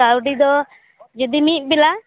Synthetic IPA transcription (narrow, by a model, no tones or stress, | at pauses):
awɖid̪ɔ | d͡ʒɔd̪imit̪̚ˀbila